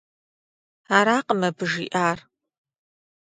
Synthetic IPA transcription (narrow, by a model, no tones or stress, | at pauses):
aːɾaːqəmɐbɨʒiːʔaːr